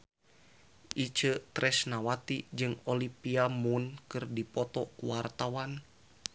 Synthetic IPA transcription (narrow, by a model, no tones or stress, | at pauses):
ʔit͡ʃət̪ɾʔɛsnawat̪id͡ʒɨŋɔlipiamunkɨrdipɔt̪ɔkuwart̪awan